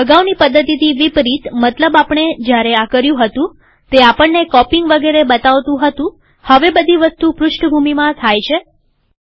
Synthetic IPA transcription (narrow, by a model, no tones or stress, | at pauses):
əɡaʋnipəd̪ːət̪it̪iʋipɾit̪mət̪ləbapəɳ̃ed͡ʒjaɾeakəɾjũɦət̪ũ | t̪eapəɳːekɔpiŋɡʋəɡeɾebət̪aʋt̪ũɦət̪ũ | həʋebəd̪ʱiʋəst̪upɾʊʃʈʰbʱumimãt̪ʰajt͡ʃʰe